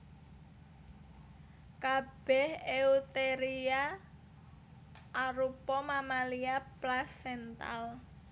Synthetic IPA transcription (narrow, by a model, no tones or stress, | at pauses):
kab̥ɛheut̪eɾia | ʔːɾupɔmamaliaplasɛnt̪a̰l